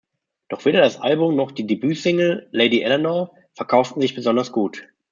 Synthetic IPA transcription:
d̥ɔχv̥eːɾɐdasʔalbʊmnɔχd̥iːdebyːsɪŋl̩leɪdiʔɛlɛnɔ | fɛɐkʰaʊftn̩zɪçb̥əzɔndɐsɡ̥uːt

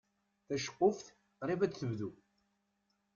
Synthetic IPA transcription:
θæʃə̥qːʊfθ | rˤivæt͡sθəvðu

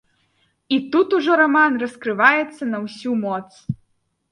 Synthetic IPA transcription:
it̪ut̪uʐɔɾamanrɐskɾɨvajɛt̪sːɐnɐwsʲumɔt̪s

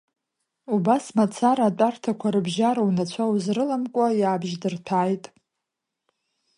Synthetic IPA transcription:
ubasmat͡sʰaɾaːt͡pʷʼartʰakʷʰaɾɨbʒaɾawnat͡ɕʷʰauzrɨlamkʷʼajaːbʒdɨrtʰaːjtʼ

